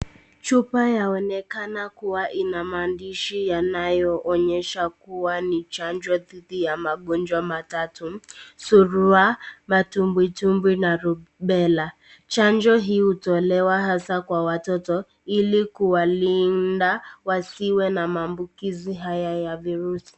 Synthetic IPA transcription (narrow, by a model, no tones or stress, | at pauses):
t͡ʃupajaɔnɛkanakuwaʔinamandiʃijanajɔʔɔɲɛʃakuwanit͡ʃand͡ʒɔðidijamaɡɔnd͡ʒwamatatʊsuɾuamatumbwitumbwinaɾubɛla | t͡ʃand͡ʒɔɦiutɔlɛwaɦasakwawatɔtɔ | ilikuwalin̩dawasiwɛnamaːmbukiziɦajajaviɾusi̥